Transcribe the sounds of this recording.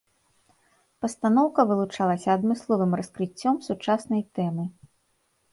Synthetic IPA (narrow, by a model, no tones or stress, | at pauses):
pɐst̪anɔwkɐvɨlˠut͡ʂalˠɐsʲɐːd̪mɨslˠɔvɨmrɐskɾɨt͡sʲːɔmsut͡ʂasnɐjt̪ɛmɨ